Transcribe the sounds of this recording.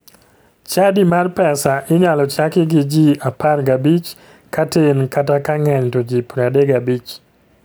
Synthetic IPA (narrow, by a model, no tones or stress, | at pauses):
t͡ʃadimarpɛsaʔɪɲalɔt͡ʃakɪɡɪd͡ʒiaparɡabit͡ʃ | katenkatakaŋɛɲtod͡ʒipɾadeɡabit͡ʃ